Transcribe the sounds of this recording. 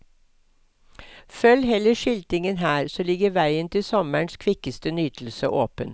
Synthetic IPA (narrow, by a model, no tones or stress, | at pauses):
fœlhɛləʃɪlt̪ɪŋənhæːɾsoːlɪɡəʋæɪənt̪ʰɪlsɔməɳskʰʋɪkəst̪ənyːt̪ʰl̩sə̰ʔoːpən